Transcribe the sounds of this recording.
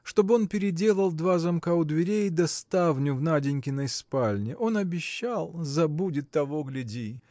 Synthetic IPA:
ʂt̪o̞bɨo̞npʲɪɾʲɪdʲe̞lˠəlˠd̪vazɐmkaʊd̪vʲɪɾʲejɪd̪ɐst̪avnʲʊvnadʲɪnʲkʲɪnəspalʲnʲɪʔo̞nɐbʲɪɕːalˠzɐbudʲɪt̪ːɐvo̞ɡlʲɪdʲi

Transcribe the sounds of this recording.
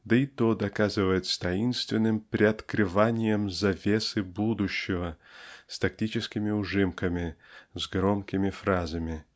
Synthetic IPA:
d̪əɪt̪od̪ɐkazɨvəjɪt̪st̪ɐinst̪vʲɪnːɨmpɾʲɪɐt̪kɾɨvanʲɪjəmzɐvʲesɨbud̪ʊɕːɪvəst̪ɐk̚tʲit͡ɕɪskʲɪmʲɪʊʐɨmkəmʲɪzɡɾomkʲɪmʲɪfɾazəmʲɪ

